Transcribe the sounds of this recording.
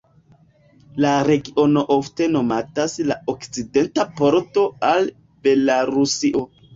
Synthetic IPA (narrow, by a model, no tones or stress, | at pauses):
laɾe̞ɡiʔo̞no̞ʔofte̞no̞mataslaokt͡side̞ntapo̞ɾto̞al | be̞laɾusiʔo̞